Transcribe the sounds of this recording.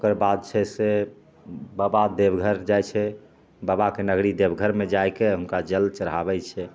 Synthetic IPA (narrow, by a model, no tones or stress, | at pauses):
okəɾbad̪̚t͡ʃʰɛse | babad̪ebɡʱəɾd͡ʒajt͡ʃʰɛ | babakenəɡɾid̪ebɡʱəɾmed͡ʒajkeɦunkad͡ʒəlt͡ʃəɾɦabɛt͡ʃʰɛ